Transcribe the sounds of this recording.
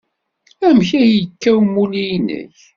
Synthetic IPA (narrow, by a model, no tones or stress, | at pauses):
æmçæjəkːæwmːulijnə̰ç